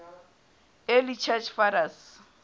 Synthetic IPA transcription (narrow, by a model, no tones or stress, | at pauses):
elit͡ʃʰat͡ʃfaɾas